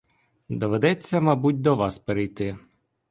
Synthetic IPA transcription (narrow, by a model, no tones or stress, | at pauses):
d̪ɔʋed̪ɛt͡sʲːɐmɐbut̚ʲd̪ɔʋɑspeɾɪjt̪ɪ